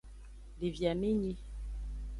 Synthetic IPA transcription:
li˨vja˨mi˦ɲi˦

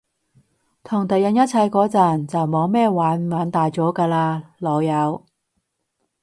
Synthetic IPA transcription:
t̪ʰʊ˨˩ŋt̪ɐ˨jɐ˨˧njɐ˥t̚t͡sʰɐ˧jkɔː˨˥t͡sɐ˨˩nt͡sɐ˨wmɔː˨˧wmɛː˥˧waː˨˥nmaː˨˧˥nt̪aː˨jt͡sɔː˨˥kaː˧laː˧lɔː˨˧jɐ˨˧w

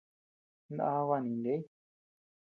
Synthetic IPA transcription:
na˧βa˧nĩ˨˧nde˦i˦

